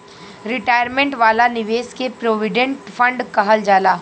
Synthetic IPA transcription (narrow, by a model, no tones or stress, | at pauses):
ɾɪʈaːjəɾmẽɳʈʋaːlanɪʋeːskepɾoːʋɪɖẽɳʈfʰɐ̃ɳɖkɐɦəld͡ʒaːlaː